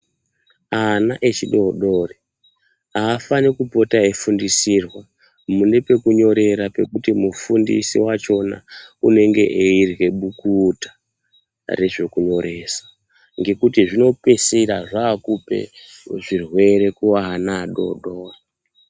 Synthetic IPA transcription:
anaʔet͡ʃiɗo̞ɗo̞ːri | aːfanikupo̞taefundisirwa | munepe̞kuɲo̞ɾe̞ɾape̞kutimufundḭsḭwat͡ʃo̞na̰une̞ŋɡe̞̰ʔeirɣe̞ɓukutḁ | re̞ʐe̞kuɲo̞ɾe̞ːsḁ | ŋɡe̞kutiʐino̞peseɾaʐaːkupe̞̰ʐirwe̞ɾe̞kuwaɦːnaːɗo̰ɗoːwa

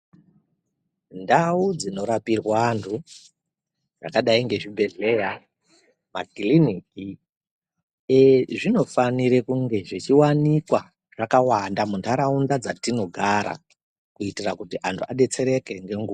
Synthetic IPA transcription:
ndaud͡zino̞ɾapirwantʰu | d͡za̰kaɗaiŋɡe̞ʐibʱe̞ɮe̞ja | makiliniki | eʐino̞faniɾe̞kuŋɡe̞ʐit͡ʃiwanikwa | ʐ̥akawandamuntʰaɾaundad͡zatino̞ɡʱaɾa̰ | kuitirakutiʔantʰuaɗe̞t͡se̞ɾe̞ke̞ŋɡe̞ŋɡua

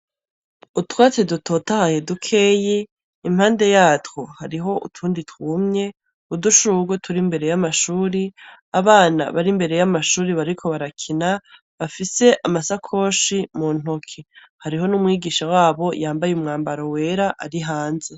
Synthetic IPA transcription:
utwaːt͡sedutʰo̞tahajedukʰe̞ːje | imhaːnde̞jaːtwohaɾiɦo̞ṵtʰuːnditwuːmɲe̞ | uduʃuɡwotʰuɾimbe̞ɾe̞jamaʃuːɾi | aβaːna̰βaɾimbe̞ɾe̞jamaʃuːɾiβaɾikʰo̞βaɾakʰina | βafise̞ʔamasakʰo̞ːʃimuːn̥okʰi | haɾiɦo̞numŋiːɡiːʃawaːβo̞jaːmbajumŋaːmbaɾowe̞ːɾaʔa̰ɾiɦaːnze̞

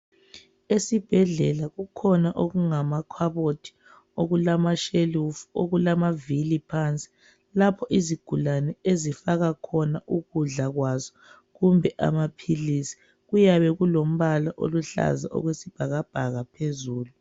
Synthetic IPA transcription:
esib̥ʱɛɮɛlaɣukʰɔnaʔoɣuŋamakʰwaβotʰi̥ | oɣulamaʃelufuoɣulamavilipʰant͡sʼi̥ | lapʰɔʔiziɡ̥ʱulanɛezifaɣakʰɔnaʔuɣuɮaɣwazɔ | ɣumbʱɛʔa̰mapʰilisi̥ | ɣujaβɛɣulom̩βalaʔo̰luɬa̰za̰ʔɔ̰ɣwesib̥ʱaɣab̥ʱaɣapʰezuːlu

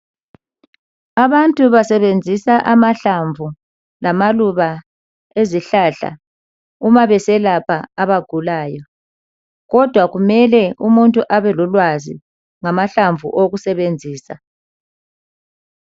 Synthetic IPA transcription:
aβantʼuβasɛβend͡zʱisaʔamaɬaɱvu | lamaluβa | eziɬaɬa̰ | umaβɛsɛlapʰaːβaɡ̥ʱulaːjɔ | ɣɔd̥ʱwaɣumɛlɛumuntʼuʔaβɛlɔlwazḭ | ŋamaɬaɱvʱṵʔoɣusɛβend͡zʱiːsa

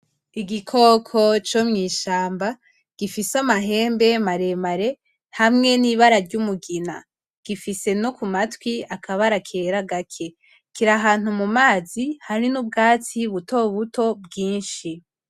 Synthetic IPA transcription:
iɡikʰo̞kʰo̞t͡ʃomŋiːʃaːmba | ɡ̥ifisamaɦe̞ːmbe̞maɾe̞maɾe̞ | hamŋe̞niβaɾaɾɟumuɡina̰ | ɡ̥ifise̞no̞kumatwiakʰaβaɾakʰeɾaɡakʰe̞ | kiɾaɦaːn̥humumaːzihaɾinub̚ɡaːt͡siβuto̞βuto̞bɡiːnʃi

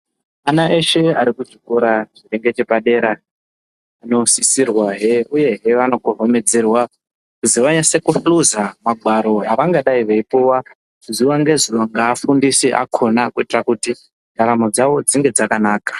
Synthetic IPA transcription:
anaʔeʃe̞aɾikuʐikoɾat͡ʃire̞ŋɡe̞t͡ʃe̞paɗe̞ːɾa | ano̞sisirwaɦeuje̞ɦe̞ʋano̞kuɦome̞d͡ze̞rwa | kuziʋaɲase̞kuɸluzamaɡʱwaɾo̞ɦaʋaŋɡaɗaiʋeipuwa | zuʋaŋɡe̞zuʋaŋɡaːfundisiʔa̰kʰo̞nakuitirakuti | ndʱaɾamod͡zaʋo̞d͡ziŋɡe̞d͡zakanaːkḁ

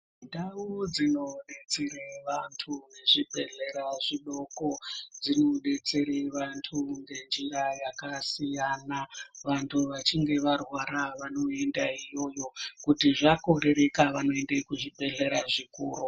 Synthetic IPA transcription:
ndaud͡zino̞ɗe̞t͡seɾeʋantʰune̞ʐibʱe̞ɮe̞ɾaʐiɗo̞ko̞d͡zino̞ɗe̞t͡seɾeʋantʰuŋɡe̞nd͡ʒirajakasijanaʋantʰuʋat͡ʃiŋɡe̞ʋarwaɾaʋano̞e̞ndaijo̞jo̞kutiʐako̞ɾe̞ɾe̞kaʋano̞endekuʐibʱe̞ɮe̞ɾaʐikuːɾu

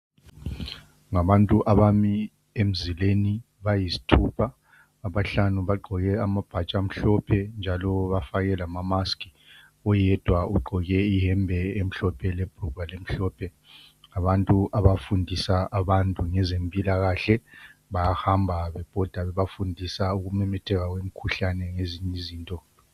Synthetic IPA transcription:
ŋaβantʼuʔaβami | em̩zileni | βajizi̥tʰupʰaː | βaɬanuβaɡ͡ǃʱɔɣɛamab̥ʱat͡ʃʼam̩ɬɔpʰɛnd͡ʒʱalɔβafaɣɛlamamaskʼi̥ | ɔjɛd̥ʱwauɡ͡ǃʱɔɣɛiɦɛmbʱɛem̩ɬɔpʰɛleb̥ʱrubʱalem̩ɬɔpʰɛ | aβantʼuʔaβafundʱisaʔaβantʼuŋɛzempʼilaɣaɬɛβajahambʱaβɛb̥ʱɔd̥ʱaβɛβafundʱisauɣumɛmɛtʰɛɣaɣwem̩kʰuɬanɛŋeziɲiziːntʼɔ

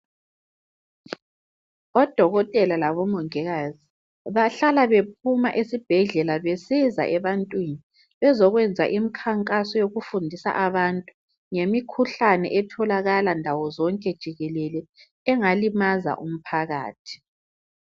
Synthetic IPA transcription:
ɔd̥ʱɔɣɔtʼɛlalaβɔmɔŋɛɣaːzi | βaɬalaβep̚ʰuma̰ʔisib̥ʱɛɮɛlaβesiza̰ʔɛβantʼwini | βɛzɔɣwɛnd͡zʱa̰ʔimikʰaŋkʼasɔjoɣufundʱisa̰ʔaβantʼu | ŋemikʰuɬanɛ̰ʔɛtʰɔlaɣalandʱawɔzɔŋkʼɛd̥ʒ̥ʱiɣɛlɛlɛ | ɛŋalimaza̰ʔum̩pʰaɣa̰ːtʰi̥

